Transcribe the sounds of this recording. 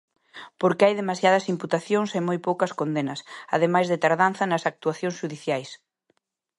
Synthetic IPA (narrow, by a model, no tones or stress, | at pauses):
poɾkɪajðemasjaðɐsimput̪aθjoŋsemojpowkɐskond̪enɐsa̰ðemajzðɪt̪aɾðanθɐnɐsak̚t̪uaθjõŋsʃuðiθjajs